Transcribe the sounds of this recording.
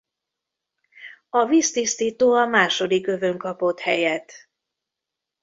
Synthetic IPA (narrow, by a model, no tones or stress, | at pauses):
ɒviːst̪ist̪iːt̪oːɒmaːʃo̞d̪ikø̞vø̞ŋkɒpo̞t̪hɛjɛt̪